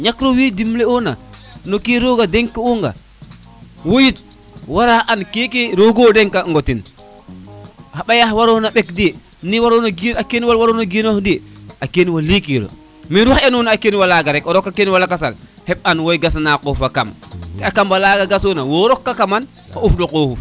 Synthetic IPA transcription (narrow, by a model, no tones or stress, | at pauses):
ɲakɾɔwidimlɛɔnanokiɾoɡadɛŋkːɛwɔŋɡa̰ | wojit̚ | waɾaʔankekɛɾoɡodɛŋkaŋɡɔtin | haɓajahwaɾɔnaɓɛkdɛ | niwaɾonaɡiakeniwalwaɾonaɡinohdiakeniwalikilo̰ | miɾuahɛnɔnakeniwalaɡaɾɛkɔɾɔkːakeniwalakasa̰l | hɛp̚anwojɡasnakɔfaka̰mtɛakambalaɡaɡasɔnawɔɾɔkːakaman | haufdɔkohuf